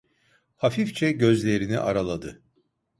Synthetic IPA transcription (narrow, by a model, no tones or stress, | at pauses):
hafift͡ʃʰɛɟø̞zlʲe̞ɾinḭʔaɾalˠad̪ɯ